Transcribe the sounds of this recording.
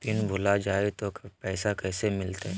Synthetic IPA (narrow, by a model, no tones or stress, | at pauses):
t̪ɪnbʱʊlad͡ʒaːet̪opɛːsakɛːsemɪlt̪aɦɛ